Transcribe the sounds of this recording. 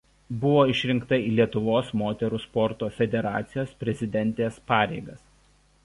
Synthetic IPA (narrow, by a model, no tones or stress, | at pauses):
bʊʋoːɪʃʲɾʲɪŋkt̪ɐiːlʲiɛt̪ʊʋoːsmoːt̪ʲɛɾuːspɔɾt̪oːfʲɛd̪ʲɛɾɑ̰ːt̪sʲɪjoːspʲɾʲɛzʲɪd̪ʲɛnʲt̪ʲeːspɑːɾʲɛɪɡɐs